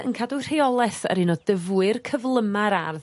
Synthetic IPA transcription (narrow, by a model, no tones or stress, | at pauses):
ə̰nkʰadur̥ejɔlˠɛθə̰ɾinɔdəvwɨrkʰəvlˠəmaɾarð